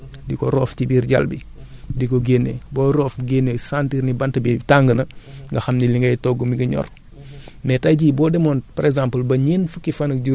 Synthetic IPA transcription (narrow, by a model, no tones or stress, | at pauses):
dikoɾoːfcibiɾɟa̰lbḭ | dikoɡenːḛboːɾoːfɡenesantiɾnibantɐbitaŋɡənɐŋɡɐxamniliŋɡɐjtoɡumiɡɐɲɔ̰ɾ | mɛtaɟiːbɔːdemoːnpaɾeɡzãmpəlbɐɲinfukifanɐk̚ɟu